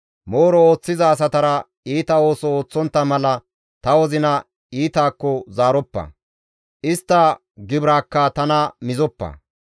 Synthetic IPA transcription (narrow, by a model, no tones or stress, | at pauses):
moːɾɔo̞ːt͡sːɪzɐːs̬ɐt̪ɐɾɐ | iːt̪ɐo̞ːsɔoːt͡sːɔnt̪ːɐmɐlɐ | t̪ɐwɔzɪnɐ | iːt̪aːkːɔzaːɾɔpːɐ̰ | ʔɪst̪ːɐ | ɡɪbɾaːkːɐt̪ɐnɐmɪzɔpːɐ̰